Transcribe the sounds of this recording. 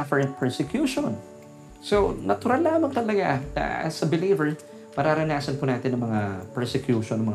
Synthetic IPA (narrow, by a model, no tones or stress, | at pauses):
afɛɹɛnt̪̚pʰɛɹsɛkjuːʃon | sonʔɐt̪ʊɾalːaːmɐŋt̪ɐlɐɡanɐ̰sɐbɪliːvɛɹ | mɐɾaːɾɐnaːsɐnpʊnaːt̪ɪnɐŋmɐŋapɛɹsɛkjuːʃonɐmɐŋ